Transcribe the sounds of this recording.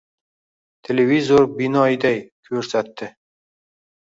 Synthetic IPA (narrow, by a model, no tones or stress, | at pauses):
t̪ʲʰelʲevʲizoɾbinɒjd̪æjkʲʰɵɾsæt̪ːɪ